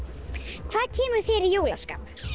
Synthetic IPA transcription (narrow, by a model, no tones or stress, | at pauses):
kθaðcʰɛːmʏ̥θeːɾɪjoːwlaska̰ːp